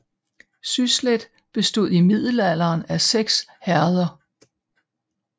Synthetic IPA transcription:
sysled̥ | b̥e̝sd̥o̝ð̰ˠimið̰ˠl̩ælɐːnæseɡ̥shæɐðˠɐ

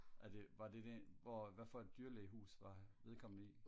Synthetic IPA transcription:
æd̥e̝ʋɑ̈d̥e̝d̥eʋɒʋæfɒ̽e̝d̥ːyːɐleːɦṵːsʋɑ̈ʋe̝ð̞ˠkʰɒ̽mn̩i

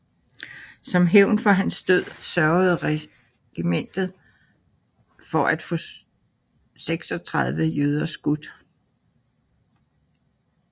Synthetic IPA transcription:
sɒ̽mɦeʊnfɒ̽ɦænsd̥øð̰ˠsɶɐʊð̞̩ˠʁɛ | ɡ̥imen̰d̥ð̩ˠ | fɒ̽ʔæd̥fɔ̰̽ | seɡ̥sɒ̽t͡sʰʁɑðˠʋəjøð̞ˠɐsɡ̥ud̥

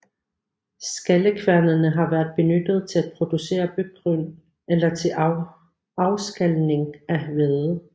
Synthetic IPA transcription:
sɡ̥æləkʰʋæɐnɐnəɦɑ̈ʋæɐd̥̚ˠb̥e̝nød̥əð̞̩ˠt͡sʰe̝læd̥̚pʰʁo̝d̥use̝̰ːɐb̥yɡ̥̚ɡ̥ʁyn | elɐt͡sʰe̝ | ɑ̈ʊsɡ̥ælne̝ŋæhʋeðˠ

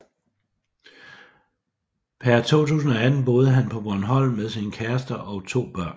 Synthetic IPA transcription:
pʰæɐt͡sʰo̝̰ːt͡sʰṵːsn̩ɒ̽æd̥n̩b̥o̝ːð̞ˠəɦænpʰɒ̽bɒnɦɒ̽l̰meðˠsinəkʰæɐsd̥ɐʔɒ̽ʊt͡sʰo̝̰ːb̥ɶɐ̰n

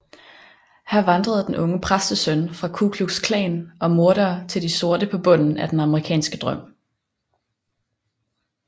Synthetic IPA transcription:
hæɐʋɑnd̥ʁɐð̞̩ˠd̥enʔɔ̽ŋəpʰʁasd̥əsœnfʁɑ̈kʰukʰlu̥skʰlɛ̰ːnɒ̽mo̝ɐɾɐːt͡sʰe̝ld̥iso̝ɐɾəpʰɒ̽b̥ɔ̽n̰n̩æd̥enɑ̈məʁikʰɛ̰ːnsɡ̥əd̥ʁɶm̰

